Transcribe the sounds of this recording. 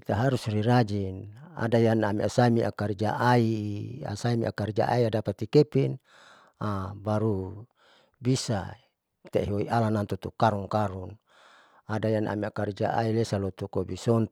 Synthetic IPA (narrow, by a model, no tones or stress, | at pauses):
t̪aɦaɾusriɾad͡ʒina̰dajanamiasaimiʔakaɾd͡ʒaʔaia̰saimḭʔakaɾd͡ʒa̰ʔa̰iadapat̪ikepin | abaɾu | bisa̰ | t̪eɦoḭʔalanant̪ut̪ukaɾuŋkaɾun | adajanʔa̰miakaɾid͡ʒa̰ʔa̰ilesalot̪ukobisɔnt̪